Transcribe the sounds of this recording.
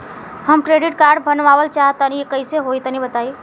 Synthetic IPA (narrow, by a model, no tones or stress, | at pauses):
həmkɾeɖiʈkaɾɖ̚bʱənʋaʋəlt͡ʃaɦt̪ənikəjseɦoit̪ənibət̪aj